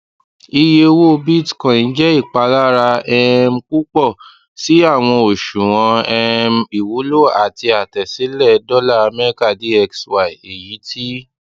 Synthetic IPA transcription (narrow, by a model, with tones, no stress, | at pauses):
i˧je˧wo˦˧bi˦˨tkã˨ñ̩˨˧˦d͡ʒɛ˦i˦˨k͡pa˧la˦ɾa˧ɛ˦m̩˦ku˦k͡pɔ˦˨ | si˨˦a˦˨w̃ɔ̃˧o˨ʃũ˨w̃ɔ̃˧ɛ˧m˦i˨wu˨˦lo˦˨a˨ti˧a˨tɛ˨si˨˦lɛ˦˨dɔ˦la˦˨a˧mɛ˦ɾi˦ka˦˨di˦ɛ˧kswa˨i˨e˨ji˨˦tʰi˦